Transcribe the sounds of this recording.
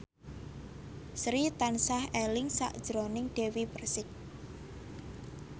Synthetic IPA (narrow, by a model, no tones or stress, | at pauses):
sɾit̪ansahɛlɪŋsa̰ʔd̥ʒ̥ɾonɪŋɖ̥e̤wipərsɪk̚